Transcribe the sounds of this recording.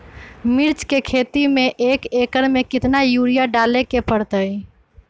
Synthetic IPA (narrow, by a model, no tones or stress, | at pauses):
miɾt͡ʃkekʰet̪imeʔekekəɾmekɪt̪najuɾijaɖalekepəɽt̪əj